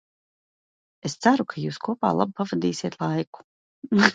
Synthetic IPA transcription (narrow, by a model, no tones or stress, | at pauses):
est̪saɾukʰajuːskuɔpaːlˠa̰b̚pavad̪iːsʲiɛt̪lˠajku̥